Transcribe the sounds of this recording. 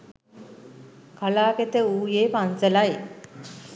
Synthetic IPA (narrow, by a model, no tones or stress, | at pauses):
kalaːket̪əuːjeːpansəlae